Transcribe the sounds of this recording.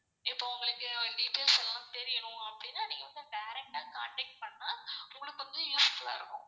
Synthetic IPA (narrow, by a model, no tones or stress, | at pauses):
ɪpːoːʊŋɡɐɭɯkːɯɖiːʈːeːlsɛlːãːt̪ɛɾɪjɐɳʊ̃ɐpːɐɽɪnːaːnĩːŋɡɐʋɐnd̪ɯɖɐjɾɛk̚ʈaːka̰ːɳʈɛk̚ʈ̚pɐɳːaːʊŋɡɐɭɯkːɯʋɐnd̪ɯjuːsfːɐlːa̰ːɪɾɯkːʊ̰̃